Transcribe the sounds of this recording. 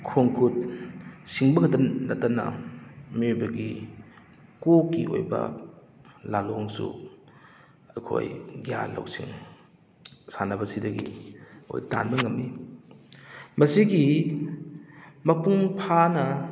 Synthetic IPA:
kʰoŋkʰut | siŋbɐɡdɐnɐtːɐnɐ̰miojbɐɡi | kokːḭʔo̰jbɐ̰ | laloŋsṵ | ɐjkʰo̰jɡja̰lɐ̰wsiŋ | sanɐbɐsidɐɡio̰jta̰nbɐŋɐmːi | mɐsiɡi | mɐpuŋpʰanɐ

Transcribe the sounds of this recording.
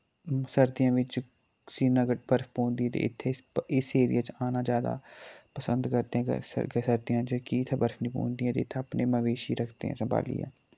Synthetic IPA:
səɾd̪ɪjãːʋɪt͡ʃ | siːnəɡəʈ̚bəɾfpõːnd̪iːɛːt̪ḛːɪt̪ʰːeːɪseːɾɪ̰jaːt͡ʃaːnaːd͡ʒjaːd̪a̰ːpəsənd̪kəɾt̪eɛ̰̃ːsəɾd̪ɪjãːt͡ʃkit̪ʰeːbəɾfnĩːpõ̰ːnd̪iɛ̃ːt̪ḛːt̪ʰːəpneːməʋeːʃiːɾəkʰt̪ḛːɦɛ̰̃ːsəmbʱa̰ːlḭːɛ̰ː

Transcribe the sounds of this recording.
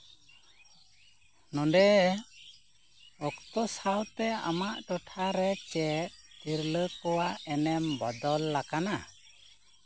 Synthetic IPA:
nɔdɛ | ɔkt̪ɔsawt̪ɛa̰maʔʈɔʈʰaɾɛt͡ʃɛt̪̚t̪iɾləkɔwaɛnɛmbɔd̪ɔlːakana

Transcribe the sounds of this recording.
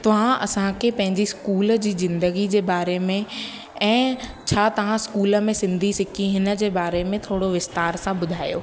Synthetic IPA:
t̪ɐʋ̤ãʔɐ̰sãkʰepɐ̃ɦɪ̃ɲd͡ʑiskuːld͡ʑiːzɪ̃nd̪əɡid͡ʑeːbaːɾemẽ | ɛ̃ː | t͡ɕʰaːt̪ɐʋ̤ãskuːlə̆mẽsɪ̃nd̪ʱisɪkʰĩɦɪnə̆d͡ʑeːbaːɾemẽt̪ʰoːɽoʋɪst̪aːɾsãbʊd̪ʱaːjo̰ː

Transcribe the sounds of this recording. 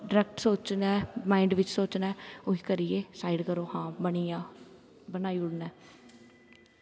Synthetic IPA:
ɖɾɛːk̚ʈsoːt͡ʃnɛːmãːɪɳɖʋɪt͡ʃsoːt͡ʃnɛːoɦiːkəɾijeːsaːiɖkəɾoːhãːbənijãː | bənaːiʊɽnɛː

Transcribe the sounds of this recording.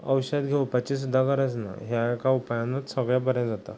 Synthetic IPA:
ə̰wɕəd̪ɡʱeupət͡ɕis̬ud̪ʱːakəɾət͡sna̰ɦjakaupajanət̪səɡɭjabəɾjãd͡zat̪a

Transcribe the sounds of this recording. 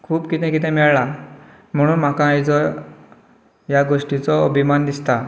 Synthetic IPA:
kʰuːbkit̪ɛ̃kit̪̬ʰɛ̃mɛɭɭa | m̤əɽ̃uːnm̤akãːjd͡zɔ | jaɡoʂʈit͡sɔəbʱimand̪ist̪a

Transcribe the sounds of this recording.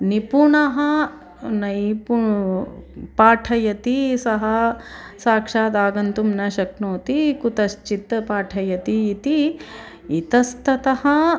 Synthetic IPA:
nipuɳɐɦɐ | nɐjpu | paːʈʰɐjɐt̪isɐɦɐsaːkʂaːd̪aːɡɐnt̪umnɐʃɐknoːt̪ikut̪ɐst͡ʃit̪ːɐpaːʈʰɐjɐt̪iːt̪i | it̪ɐst̪ɐt̪ɐhɐ

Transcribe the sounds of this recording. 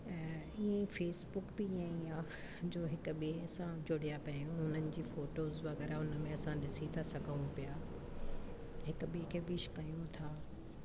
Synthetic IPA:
iẽfeːsbʊkbiiãiã | d͡ʑoːɦɪkʊɓieɐsãd͡ʑʊɽijapɐjũʊn̤ənɪ̆d͡ʑiːfoːʈoːzʋɐɣɛːɾaʊnəmẽɐsãɗɪsit̪ʰasɐɡʱəũpijaː | ɦɪkɓiekʰeːbɪʃkɐjũt̪ʰaː

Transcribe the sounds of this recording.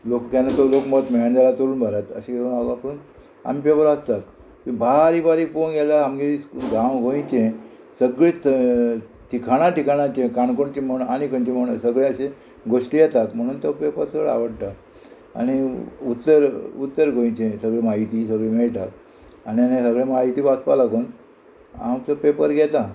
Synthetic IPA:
lokkanat̪olokmət̪meɭə̃nd̪alat̪əɾuːnbʱaɾat̪ə̰ɕeɡenaɡãpən | a̰miːpepəɾast̪ak | k̪ibʱaɾiːbaɾiponɡalaamɡeiɡãwɡʱoĩt͡ɕẽ | səɡɭetə | t̪ʰikʰaɽ̃aʈikʰaɽ̃ãt͡ɕẽkaɳkoɳt͡ɕem̤əɳanikənt͡ɕeməɳsəɡɭẽəɕe | ɡoʂʈijɛt̪akm̤əɽ̃uːnt̪ɔpepəɾsəɡɭa̰ʋəɽʈ̪a | a̰ñiut̪ːəɾut̪ːəɾɡʱoĩt͡ɕẽsəɡɭemaɦit̪iːsəɡɭemeɭʈak | anianesəɡɭẽmaɦit̪iːʋaspa̰laɡuːn | a̰mt͡səpepəɾɡʱɛt̪a

